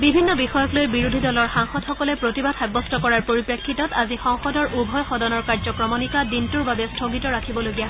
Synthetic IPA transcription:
bibʱinːɔbixɔjɔklojbiɹudʱidɔlɔɹxaŋxɔdxɔkɔlɛpɹotibad̥̚xabɔstɔkɔɹaɹpoɹipɹekʰːitɔtazixɔŋxɔdɔɹʔubʱɔjxɔdɔnɔɹkaɹzɔkɹɔmɔnikadintuɹbabɛstʰoɡitɔɹakʰibɔloɡija

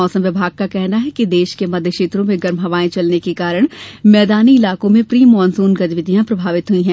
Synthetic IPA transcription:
ɔːsə̃mʋɪbʱaːɡ̚kakɛɦnaɦɛkid̪eːʃkemɐd̪ʱjəʃeːt̪ɾõmẽɡɐɾmɦɐʋaːẽt͡ʃɐlnekekaːɾəɽ̃mɛːd̪aːniɪlaːkõmẽpɾiːmɔːnsuːnɡɐd̪ʋɪd̪ijãpɾɐbʱaːʋɪt̪ɦʊĩɦɛ̃ː

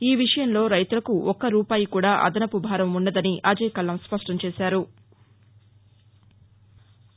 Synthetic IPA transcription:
iːʋiʂɐjɐmlo̞ːɾɐjt̪ulɐkuɔkːɐɾuːpaːjikuːɽaːʔɐ̰d̪ɐnɐpubʱaːɾɐmunːɐd̪ɐniʔaːd͡ʒɛːkɐlːɐmspɐʂʈɐmt͡ʃeːsaːɾu

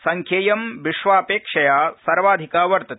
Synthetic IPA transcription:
sɐŋkʰjeːjɐmʋiʃʋaːpeːkʂɐjaːsɐɾʋaːd̪ʱikaːʋɐɾt̪ɐt̪

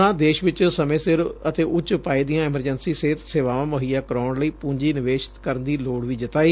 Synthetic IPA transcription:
ãːd̪eːʃʋɪt͡ʃsəmẽːsɪɾət̪eːʔʊt͡ʃpaːiːd̪ijãːɪməɾd͡ʒənsiːseːt̪seːʋaːʋãːməɦijaːkəɾaːɳləiːpũːɲd͡ʒiːnɪʋeːʃɪ̥t̪kəɾənd̪iːloːɽʋiːd͡ʒɪt̪aːiː

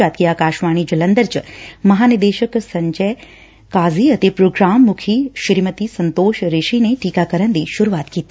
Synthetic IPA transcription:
aːt̪̚kijakaːʃʋaːñid͡ʒɐlənd̪əɾt͡ʃmɐɦaːnid̪eːʃəksɐɲd͡ʒəj | kaːziɐt̪epɾoːɡɾaːmːʊkʰiʃɪɾimət̪isənt̪oːʃɾeʃineʈikakəɾənd̪iʃʊɾuʋaːt̪kiːt̪i̥

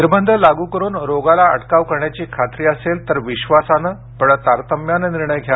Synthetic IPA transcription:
niɾbənd̪ʱəlaɡuːkəɾuːnɾoɡalaə̰ʈkaʋkəɾɳjat͡ɕiːkʰat̪ɾiːəselt̪əɾʋiɕʋasanə | pəɽət̪aɾt̪əmjanəniɾɳəjkʰja

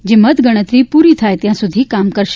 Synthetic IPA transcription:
d͡ʑemət̪ɡəɽ̃ət̪ɾiːpuɾit̪ʰaet̪jãsud̪ʱiːkamkəɾʃ

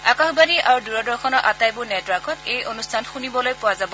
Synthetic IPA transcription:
akaxbaniʔaɹuduɹɔdɔɹxʰɔnɔʔatajbʊɹnɛtwaɹkɔtejonustʰanxunibɔlojpʊwazabɔ

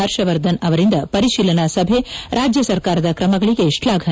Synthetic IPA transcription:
ɐɾʃɐʋɐɾd̪ʱɐnɐʋɐɾind̪ɐpɐɾiʃiːlɐnaːsɐbʱeɾʔaːd͡ʒjɐsɐɾkaːɾɐd̪ɐkɾɐmɐɡɐɭiɡe̞ʂlaːɡʱɐ

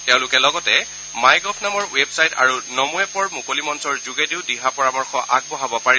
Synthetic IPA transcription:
tɛʊ̃lʊkɛlɔɡɔtɛ | majɡɔpʰnamɔɹwebsajta̰ɹunomuɛpɔɹmukolimɔnsɔɹzuɡediʊdiɦapɔɹamɔɹxɔʔaɡ̚bɔɦabɔpaɹi

